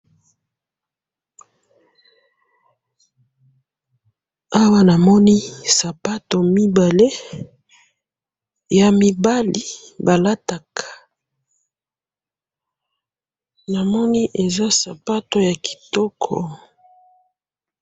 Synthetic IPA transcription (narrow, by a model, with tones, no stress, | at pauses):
a˦wa˦na˨mɔ˦ni˦sa˨pa˦to˨mi˦ba˨le˦ | ja˨mi˨ba˦li˨ | ba˨la˦ta˨kʰḁ˨ | na˨mɔ˦ni˦ʔe˨za˦sa˨pa˦to˦ja˨ki̥˨tɔ˦kʰɔ̰˨